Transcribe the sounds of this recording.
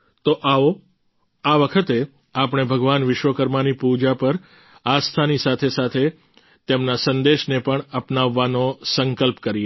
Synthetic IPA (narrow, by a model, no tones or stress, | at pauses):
t̪oʔao | aʋəkʰət̪e | apɳ̃ebʱəɡʋanʋɪʃʋəkəɾmanipud͡ʒapəɾ | ast̪ʰanisat̪ʰesat̪ʰe | t̪emnasənd̪eʃnepəɳəpnaʋːanosəŋkəlpkəɾie